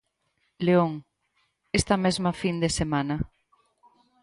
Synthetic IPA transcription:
leoŋ | est̪amɛzmafind̪esemana

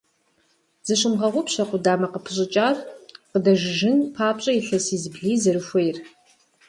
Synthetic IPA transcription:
zɨɕʊmʁɐʁʷʊpɕɐqʷʊdaːmɐqəpʰɨɕʼɪt͡ʃʼaːrqədɐʒɪʒɪnpʰaːpʼɕʼɐiɬɐsiːzɨbɮiːzɐɾɨʃʷejr

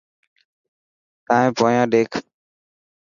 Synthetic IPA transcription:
t̪aːẽːpoːjãːɗeːkʰ

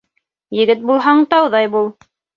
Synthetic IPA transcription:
jɘ̆ɡɘt̪̚bulˠɦɑɴt̪ɑwðɑjbulˠ

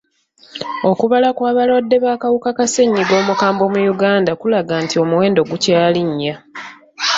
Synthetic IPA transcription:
o̞kuβalakwaːβalwadːe̞βaːkawukakase̞ɲːiɡo̞ːmukaːmbo̞mujuɡaːndakulaɡaːntio̞muwe̞ːndo̞ɡucaːliɲːa

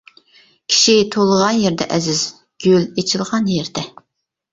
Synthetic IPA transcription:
kʲʰi̥ʃit̪ʰolˠəʁɑnjɛɾd̪ɛ̰ʔɛzɪz̥ | ɡ̥ʲølet͡ʃʰɪlˠʁɑnjɛɾd̪ɛ

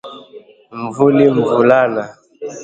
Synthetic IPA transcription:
mvuliɱvulana

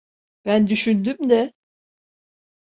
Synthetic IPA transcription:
b̥ænd̪yʃynd̪ymd̪ɛ

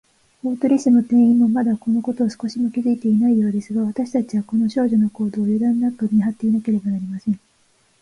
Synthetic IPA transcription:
o̞ːt̪oɾʲisɨno̞t̪ẽ̞ɰ̃ĩmːo̞mad̪ako̞no̞ko̞t̪o̞ːsɨ̥ko̞ɕimo̞kʲizɨit̪e̞inaijo̞ːd̪e̞sɨɡaβ̞at̪aɕi̥t̪at͡ɕiβako̞no̞ɕo̞ːʑo̞noko̞ːd̪o̞ːjod̪ãnːakɯɲʲiɦat̪ːe̞inake̞ɾe̞banaɾʲimasẽ̞ŋ̃

